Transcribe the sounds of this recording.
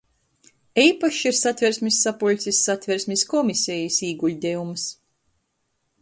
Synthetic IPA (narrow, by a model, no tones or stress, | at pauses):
iːpaʃiɾsat̪ʲvʲɛɾsʲmʲisːapɔlʲt̪sʲisːat̪ʲvʲɛɾsʲmʲiskɔmisʲɛjisiːɡuʎʲd̪ʲɛums